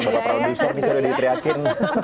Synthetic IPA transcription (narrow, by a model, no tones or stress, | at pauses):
bat̪apɾadusɔrnisudahdit̪ɾiakɪrn